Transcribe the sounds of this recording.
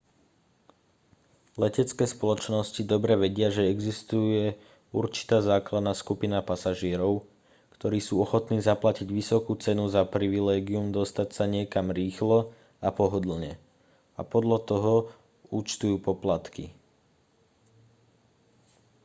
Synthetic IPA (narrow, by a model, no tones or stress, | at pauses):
lɛcɛt͡skɛːspɔlɔt͡ʃnɔscid̪ɔbɾɛʋɛɟɪaʒɛɛɡzist̪ujɛ | uɾt͡ʃi̥t̪aːzaːklad̪naːskupinapasaʒɪɛɾɔʊ | kt̪ɔɾiːsuːɔxɔt̪niːzaplaciɟʋisɔkuːt͡sɛnuzapɾiʋilɛːɡiumd̪ɔst̪acsaɲɪɛkamɾiːxlɔ | apɔɦɔd̪l̩ɲɛ | a̰pɔd̪ʎat̪ɔɦɔ | ut͡ʃt̪ujuːpɔplat̪kḭ